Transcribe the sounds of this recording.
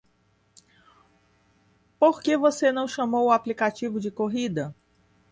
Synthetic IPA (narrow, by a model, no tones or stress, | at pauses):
poɾkevosenɐ̃w̃ʃɐmowʊaplikat͡ʃivʊd͡ʒɪkoɦid̪ɐ